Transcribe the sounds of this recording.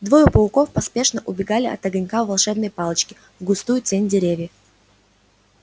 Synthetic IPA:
d̪vo̞jʊpəlˠko̞fpɐspʲe̞ʂnəʔʊbʲɪɡalʲɪɐ̰t̪ɐɡɐnʲkavvɐlˠʂɛbnəjpalˠət͡ɕkʲɪ | vɡʊst̪ujʊtʲenʲdʲɪɾʲevʲjə

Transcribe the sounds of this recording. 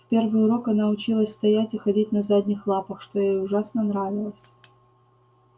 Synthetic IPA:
fpʲe̞rvɨjʊɾo̞kɐnaʊt͡ɕilˠəsʲst̪ɐjætʲɪxɐdʲit̚ʲnɐzadʲnʲɪxlˠapəxʂt̪ojejʊʐasnənɾavʲɪlˠəsʲ

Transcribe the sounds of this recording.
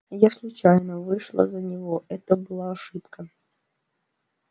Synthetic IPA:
jaslˠʊt͡ɕajnəvɨʂlˠə̰zɐnʲɪvoʔɛt̪əbɨlˠaɐʂɨpkə

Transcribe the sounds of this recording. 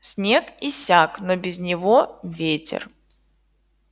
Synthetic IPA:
sʲnʲekisʲaknobʲɪzʲnʲɪvovʲetʲɪ̰r

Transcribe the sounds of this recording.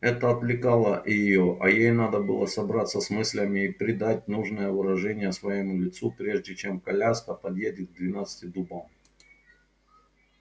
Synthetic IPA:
ɛt̪əɐt̪vlʲɪkalˠəʔɪjɪjoʔɐjejnad̪əbɨlˠəsɐbɾat̪sːəsmɨsʲlʲəmʲɪːpɾʲɪd̪at̚ʲnuʐnəjəvɨɾɐʐɛnʲɪjəsvɐjɪmulʲɪt̪supɾʲe̞ʐdʲɪt͡ɕe̞mkɐlʲast̪əpɐd̪jedʲɪɡ̚d̪vʲɪnat̪sɨ̥tʲɪd̪ubam

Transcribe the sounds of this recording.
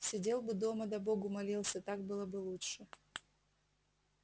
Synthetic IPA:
sʲɪdʲe̞lˠbɨd̪o̞məd̪ɐboɡʊmɐlʲilˠsʲət̪ak̚bɨlˠəbɨlˠutʂɨ

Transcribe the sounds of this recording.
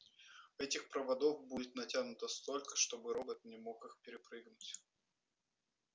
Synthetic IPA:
ɛtʲɪxpɾəvɐd̪o̞fbudʲɪt̪nɐtʲanʊt̪əst̪o̞lʲkə̥ʂt̪o̞bɨɾobət̪̚nʲɪmo̞kɨxpʲɪɾʲɪpɾɨɡnʊtʲ

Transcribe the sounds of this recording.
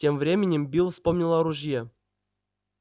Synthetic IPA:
tʲemvɾʲemʲɪnʲɪmbʲilˠfspomnʲilˠaɾuʐje

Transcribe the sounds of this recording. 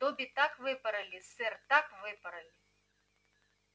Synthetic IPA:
t̪ɔbʲit̪akvɨpɐɾɐlʲisɛrt̪akvɨpɐɾɐlʲi

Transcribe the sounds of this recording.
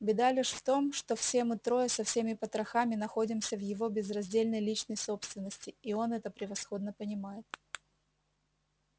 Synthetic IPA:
bʲɪd̪alʲɪʂft̪o̞mʂt̪ofsʲe̞mɨt̪ɾo̞jəsɐfsʲemʲɪpət̪ɾɐxamʲɪnɐxo̞dʲɪmsʲəvjɪvo̞bʲɪzrɐzʲdʲelʲnəjlʲit͡ɕnəjso̞pst̪vʲɪnːəsʲtʲɪːo̞nɛt̪əpɾʲɪvɐsxo̞d̪nəpənʲɪmajɪt̪̚

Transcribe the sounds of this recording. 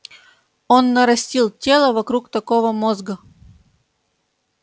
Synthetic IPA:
onːəɾɐsʲtʲilˠtʲelˠəvɐkɾukt̪ɐkovəmozɡə

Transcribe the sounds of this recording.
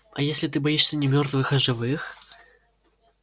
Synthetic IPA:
ɐjesʲlʲɪt̪ɨbɐjiʂsʲənʲɪmʲort̪vɨxɐʐɨvɨx

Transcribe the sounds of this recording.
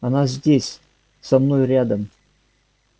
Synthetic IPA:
ɐnazʲdʲesʲ | samnojrʲad̪əm

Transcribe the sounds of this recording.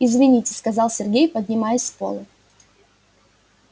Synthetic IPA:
ɪzvʲɪnʲitʲɪ̥skɐzɑlˠsʲɪrɡʲejpədʲnʲɪmajɪsʲpo̰lˠɨ

